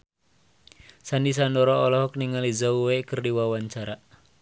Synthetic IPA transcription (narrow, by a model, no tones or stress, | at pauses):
sandis̬andɔɾɔːlɔɦɔk̚niŋalizauwekərdiwawaɲt͡ʃaɾa